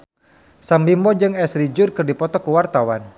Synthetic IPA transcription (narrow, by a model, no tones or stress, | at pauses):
sambimbɔd͡ʒɨŋɛsɾid͡ʒʊrkɨrdipɔt̪ɔkəwart̪awan